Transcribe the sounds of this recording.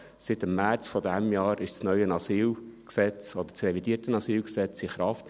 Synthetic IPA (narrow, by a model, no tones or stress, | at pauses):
sɪt̪əmːæɾt͡sfɔdæmjɑːɾʔɪʃt͡snœʏənɑsiːlksɛt͡sɔd̪ət͡srɛvidiəɾtənɑsiːlksɛt͡siχɾɑft